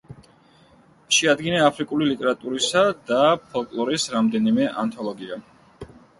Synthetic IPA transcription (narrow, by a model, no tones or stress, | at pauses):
ʃɛad̪ɡinaːpʰɾikʼulilit̪ʼɛɾat̪ʼuɾisad̪apʰɔlˠkʼlˠɔɾisɾamd̪ɛnimɛʔa̰nt̪ʰɔlˠɔɡia